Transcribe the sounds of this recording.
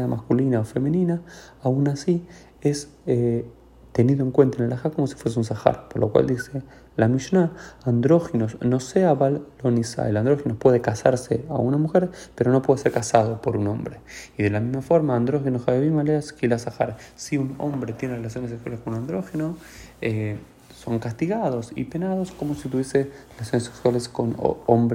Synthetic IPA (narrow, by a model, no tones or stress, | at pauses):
ðamʔaskulinaofe̞menĩnaaunasi | es | e | t̪e̞niðoe̞ŋkwe̞nt̪aenelaxaɾkomo̞si̥fwe̞s̬euns̬axa̰ɾpoɾlokwa̰ld̪ise | lamiʃnaand̪ɾo̞xinosno̞seaβalːonisa̰eland̪ɾo̞xinopwe̞ðekasaɾsea̰unamuxe̞ɾpeɾo̞no̞pweðeseɾkasað̞o̞poɾuno̞mbɾe̞iðe̞lamizmafo̞ɾmaːnd̪ɾo̞xenoxaβeβimaleaskilasaxa̰ɾsiuno̰mbɾe̞t̪jenerelas̬jo̞nes̬ekswaleskonunand̪ɾo̞xeno | e | so̞ŋkast̪iɣað̞o̞sḭpe̞naðo̞sko̞mosit̪uβje̞serelas̬jo̞nesekswaleskon̰o̰mb